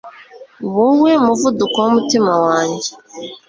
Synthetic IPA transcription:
βowemuvudukomutimawaːɲɟe

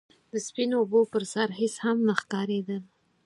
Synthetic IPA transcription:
d̪əspinoːbopəɾsaɾɦɪshamnaxkɑɾed̪əl

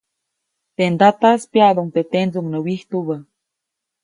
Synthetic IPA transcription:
t̪end̪at̪aspjaðoŋt̪et̪end͡zuŋnəwiht̪uβə

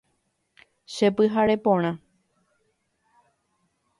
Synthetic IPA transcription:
ʃepɨɦaɾe̞põɾ̃ã

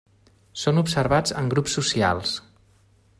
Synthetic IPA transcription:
sonupsəɾβad͡zəŋɡɾupsːusia̰lˠs

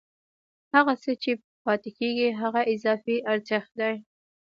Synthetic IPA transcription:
haɣasət͡ʃe | pɑt̪ekeɡiɦaɣaʔɪzɑfiʔaɾzɪxd̪aj

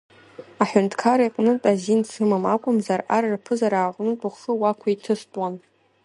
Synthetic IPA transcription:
aħʊntʰkʰaɾaiqʼnɨtʼazinsʰɨmamakʷʼʊmzararrpʰɨzaɾaːʁʷʼnɨtʼʰʊχʷʂɨwakʷʰaitʰɨstʼwan

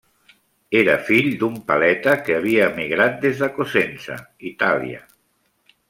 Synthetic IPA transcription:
eɾəfiʎd̪umpalɛt̪əkəːβ̞iaːmiɣɾat̪̚d̪ezðəkosensə̰it̪alḭa̰

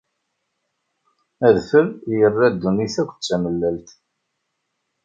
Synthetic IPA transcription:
æðfəɾjərːæd̪ːuniθækʷːt͡sːæməlːælt̪

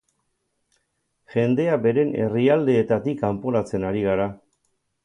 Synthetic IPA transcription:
ʝe̞nd̪e̞abe̞ɾe̞ne̞riald̪e̞ːt̪at̪ikampo̞ɾat͡se̞naɾiɣ̞aɾa

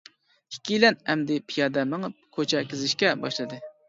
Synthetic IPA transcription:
ikʲʰilɛnɛmd̪ɪpʰijɑd̪ɛmɨŋɨp̚kʰøt͡ʃʰɛkʲɪzɪʃkʲɛbɑʃlˠɨd̪ɨ

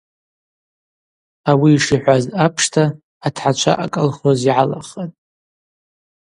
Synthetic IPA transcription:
awiːʂiħʷazapʰʂtʰaː | tʰħat͡ʃʷʰa̰ʔa̰kʼəlχoziʕala̰χatʼ

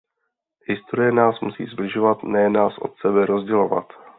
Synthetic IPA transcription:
ɦɪst̪oɾɪjɛnaːsmusḭːzblɪʒo̞vat̪nɛjnaːsʔo̞̰t̪sɛbɛɾo̞zɟɛlo̞va̰t̪

